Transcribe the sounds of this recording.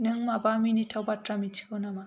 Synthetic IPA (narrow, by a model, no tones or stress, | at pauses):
nɯŋmabaminitʰawbatɾamit͡ʃʰi̥kɯwnama